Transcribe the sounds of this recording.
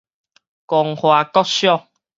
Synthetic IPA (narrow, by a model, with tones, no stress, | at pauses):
kɔ˨ŋhwa˨kɔ˦k̚ɕjɔ˥˧˨ŋ